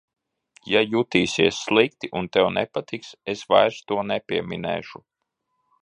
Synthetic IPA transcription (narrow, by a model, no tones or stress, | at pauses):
jajut̪iːsiɛsːlˠik̚t̪iʔunt̪ɛwnɛpat̪iksesvajɾst̪uɔnɛpʲiɛmʲinɛ̰ːʃu